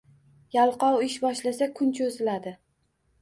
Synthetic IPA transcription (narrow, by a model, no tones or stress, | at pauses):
jalˠqɒwɪʃbɒʃlasakʰʊnt͡ʃʰozɪlad̪ɪ